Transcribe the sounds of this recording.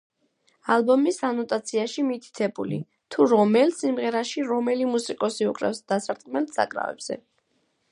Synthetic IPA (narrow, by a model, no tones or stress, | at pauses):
alˠbɔmisanɔt̪ʼat̪sʰiaʃimit̪ʰi̥t̪ʰɛbṵlḭ | t̪ʰuɾɔmɛlsimʁɛɾaʃiɾɔmɛlimusikʼɔsiukʼɾɛ̰fsd̪̥asaɾt̪ʼkʼmɛlt̪ʰsa̰kʼɾa̰vɛ̰b̥z̥ɛ̰